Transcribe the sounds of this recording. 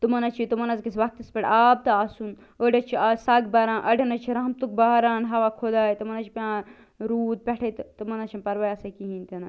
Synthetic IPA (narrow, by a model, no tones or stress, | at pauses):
t̪umɐnɐt͡ʃʰit̪umɐnɐzkɐsʋɐk̚t̪ɐspʲɐʈaːb̚t̪ɐaːsun | oɖɐt͡ʃʰiasaːɡbɐɾãːnʔɐɖɐnɐt͡ʃʰiɾɐːɐmt̪uk̚baːɦɾaːnɦɐʋakʰod̪aːjt̪umɐnɐt͡ʃʰi̥pʲãː | ɾuːd̪̚pʲɛʈʰet̪t̪ɨmɐnɐt͡ʃʰinpɐɾʋajɐsɐkiɦint̪ina